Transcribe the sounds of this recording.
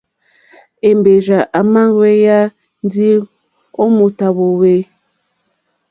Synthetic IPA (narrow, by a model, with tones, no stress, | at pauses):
e˨mbe˨d͡ʒa˨ʔa˨ma˦ŋ˦we˦ja˦ | n˦di˦ | o˦mo˨ta˨βo˨we˦